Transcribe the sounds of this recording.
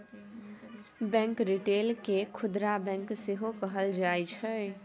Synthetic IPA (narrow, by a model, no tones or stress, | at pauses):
bɛ̃ŋkɾiʈelkekʰʊd̪ɾabɛ̃ŋkseɦokəɦəld͡ʒajt͡ʃʰə